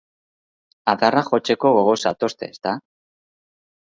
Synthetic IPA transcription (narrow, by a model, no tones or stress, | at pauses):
aðaraxo̞t͡ʃe̞ko̞ɣoɣo̞sat̪o̞st̪e̞̰ːst̪a